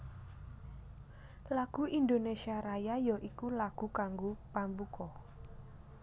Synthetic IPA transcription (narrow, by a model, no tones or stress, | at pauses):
laɡ̥ṳind̪onesiaɾajajɔʔikulaɡ̥ṳkaŋɡopambukɔ